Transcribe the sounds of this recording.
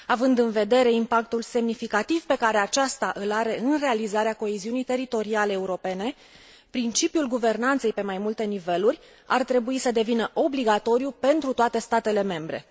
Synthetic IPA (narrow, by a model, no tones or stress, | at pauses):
avɨnd̪ɨnve̞d̪e̞ɾe̞impak̚t̪ulse̞mnifikat̪ivpe̞kaɾe̞at͡ʃast̪aʔɨlaɾe̞ɨnre̞alizaɾeako̞eziunijt̪e̞ɾit̪o̞ɾiale̞ːuɾo̞pe̞ne̞ | pɾint͡ʃipjulɡuve̞rnant̪se̞jpe̞majmult̪e̞nive̞lurʲ | a̰rt̪ɾe̞buisəd̪e̞vinəʔo̞bliɡat̪o̞ɾijupe̞nt̪ɾut̪oat̪e̞st̪at̪e̞le̞me̞mbɾe̞̰